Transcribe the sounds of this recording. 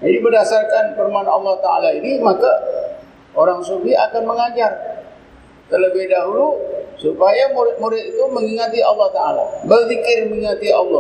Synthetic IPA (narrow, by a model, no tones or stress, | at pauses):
d͡ʒadibərdasarkanfirmanɑ̰lːɔht̪aa̰lainimaka | oɾaŋsubɪakanməŋad͡ʒar | t̪ələbɪhdaɦulusupajamuɾɪt̪̚muɾɪt̪̚it̪uməŋiŋat̪iɑlːɔht̪aa̰la̰bərfikɪrməŋiŋat̪iɑlːɔ